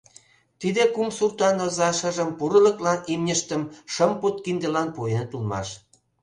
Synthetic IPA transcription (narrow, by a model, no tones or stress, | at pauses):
t̪id̪ekumsurt̪ɑnozɑʃə̆ʒəmpuɾələ̆klɑnimnʲəʃt̪ə̆mʃəmput̪̚kind̪əlɑnpujənət̪ulmɑ̰ʃ